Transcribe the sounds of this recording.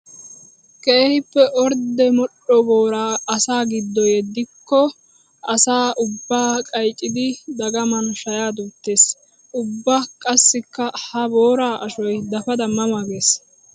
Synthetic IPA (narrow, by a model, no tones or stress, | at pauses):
kʼɛɛhɪpːɛʔɔɾd̪ɛmɔɗɔbo̞ːɾaːɐsaːɡɪd̪ːɔjɛd̪ːɪkːɔ | ɐsaːʔʊbːaːkʼɐjt͡ʃʼɪd̪ɪd̪ɐɡɐmɐnʃɐjaːd̪uːt̪ːe̞ːs | ʔʊbːɐkʼɐsːɪkːɐhɐbo̞ːɾaːʔɐʃɔjd̪ɐfɐd̪ɐmːɐmaɡeːs